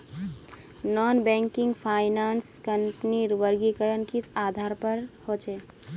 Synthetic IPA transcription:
nɔːnbɛ̃ːŋkɪŋɡpʰaːɪnaːnskəɳpniɾʋəɾɡikəɾənkisaːd̪ʱaːɾpəɾhot͡ʃeː

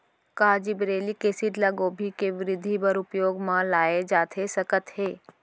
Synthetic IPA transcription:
kaːd͡ʒibɾeːlikesɪʈlaɡoːbʱikeʋɪɾɪd̪ʱːibəɾʊpjoːɡmãlaːed͡ʒaːt̪ʰesɐkət̪heː

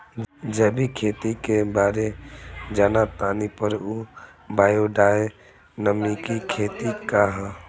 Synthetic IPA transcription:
d͡ʒəbikʰeːt̪ikebaːɾed͡ʒaːnat̪aːnipəɾu | baːjoɖaːe | nəmikikʰeːt̪ikaɦã

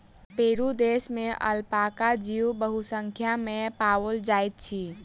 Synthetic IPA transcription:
peɾud̪esmẽʔə̰lpakad͡ʒiwbəɦusəŋkʰjamẽpawəld͡ʒajt̪̚t͡ʃʰi

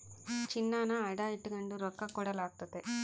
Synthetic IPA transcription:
t͡ʃinːaːnaɐɽaːiʈːuɡɐɳɖuɾɔkːɐkuːɽaːlaːkt̪ut̪e

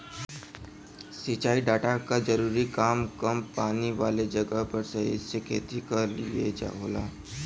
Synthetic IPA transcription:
sit͡ʃaːiɖaːʈakad͡ʒɐɾuːɾikaːmkɐmpaːniʋaːled͡ʒɐɡəɦpɐɾsɐɦɪ̰sekʰeːt̪ikɐɾlḭḛd͡ʒa̰ɦoːla̰ː

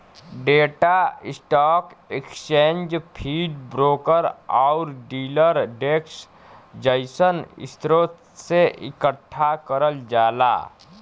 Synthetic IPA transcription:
ɖeːʈaɪsʈaːkekst͡ʃẽːnd͡ʒpʰiːɖbɾoːkəɾaʊɾɖiːləɾɖeːks | d͡ʒəɪsənɪ̰st̪ɾoːt̪ | seʔɪ̰kəʈʰːakəɾəld͡ʒaːla̰ː

